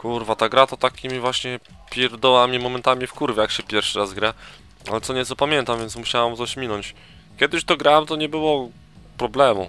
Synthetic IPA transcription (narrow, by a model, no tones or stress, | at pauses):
kuɾvat̪aɡɾat̪ɔt̪akʲimʲivwaɕɲɛ | pʲjɛɾd̪ɔwamʲimɔmɛnt̪amʲifkuɾvʲjɛjakɕɛpʲjɛɾfʂɘɾazɡɾa | a̰lɛt̪sɔɲɛt̪sɔpamʲjɛnt̪amvʲjɛnsmuɕawamt̪ɔɕmʲinɔɲt͡ɕ | kʲɛd̪ɘɕt̪ɔɡɾawamt̪ɔɲɛbɘwɔ | pɾɔblɛmu